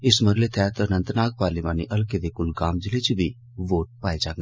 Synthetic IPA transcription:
ɪsməɾlet̪ʰɛːt̪ənə̃nt̪naːɡ̚paːɾlimaːniʔɐlked̪ekʊlɡaːmd͡ʒɪlet͡ʃibʱi | ʋoːʈ̚paːid͡ʒaːɡ

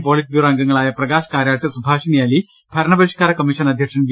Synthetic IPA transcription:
poːlitd̪iraːŋɡɐŋːɐɭaːjɐprɐɡaːɕɐ̥kaːɾaːʈːɨsubʱaːʂinijaːli | b̥ʱɐɾɐɳɐbɐɾiʂkaːɾɐkɐmːiʂɐnɐd̪ʱjɐkʂɐnʋ

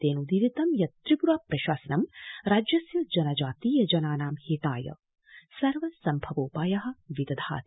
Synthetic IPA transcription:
t̪eːnud̪iɾit̪ɐmjɐt̪ɾipuɾaːpɾɐʃaːsɐnɐmɾaːd͡ʒjɐsjɐd͡ʒɐnɐd͡ʒaːt̪iːjɐd͡ʒɐnaːnaːmhiːt̪aːjɐ̰ | sɐɾʋɐsɐmbʱɐʋoːpaːjɐɦɐ̆ʋid̪ɐd̪ʱa̰ːt̪

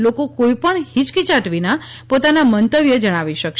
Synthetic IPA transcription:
lokokoipəɳhit͡ʃkit͡ʃaʈʋina | pot̪anamənt̪əʋjəd͡ʒəɽ̃aʋiʃəkʃ

